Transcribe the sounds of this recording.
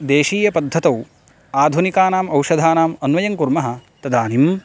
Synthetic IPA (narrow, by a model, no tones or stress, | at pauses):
d̪eːʃiːjɐpɐd̪ʱːɐt̪ɐw | aːd̪ʱunikaːnaːmɐwʃɐd̪ʱaːnaːmɐnʋɐjɐŋkuɾmɐɦɐ̆t̪ɐd̪aːnim